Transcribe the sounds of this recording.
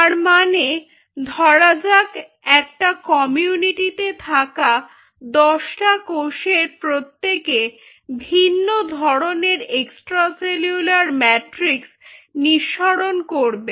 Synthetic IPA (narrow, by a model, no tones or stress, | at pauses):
t̪aɾmane | d̪ʱɔɾad͡ʑak | ɛk̚ʈakɔmiuniʈit̪et̪ʰaka | d̪ɔʃʈakoʃeɾpɾot̪ːeke | bʱinːod̪ʱɔɾoneɾeksʈɾaseljulaɾmɛʈɾiksniʃːaɾonkoɾbe